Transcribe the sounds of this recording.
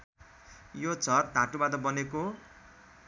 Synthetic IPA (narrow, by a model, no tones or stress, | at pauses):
jot͡sʌt̪̚ːãʈubad̪ʌbʌneko